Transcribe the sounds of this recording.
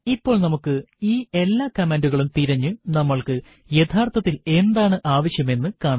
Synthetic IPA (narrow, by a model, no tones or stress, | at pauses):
ipːo̞ːɭnɐmukːɨiːe̞lːaːkɐmeːnduɣɐɭumt̪iɾɐɲːɨnɐmːɐɭkɨ | jet̪ʰaːrt̪ʰɐt̪ːile̞nd̪aːɳɨʔaːʋɐɕjɐme̞nːɨkaːɳɐ